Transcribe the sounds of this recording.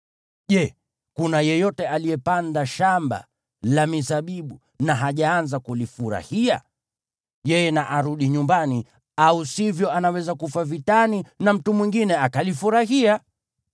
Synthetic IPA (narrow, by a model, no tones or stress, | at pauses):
ʄɛ | kunajɛjɔtɛalijɛpandaʃamba̰ | lamizaɓiɓu | naɦaʄaanzakulifuɾa̰hia | jɛjɛnaʔaɾuɗiɲumbani | ausivjɔanawɛzakufavitaninam̩tumwiŋɡinɛakalifuɾaɦia